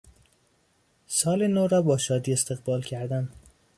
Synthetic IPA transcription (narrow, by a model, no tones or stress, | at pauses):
sɒːlenoɾɒːbɒːʃɒːd̪iːest̪eɣbɒːlcʰæɾd̪æn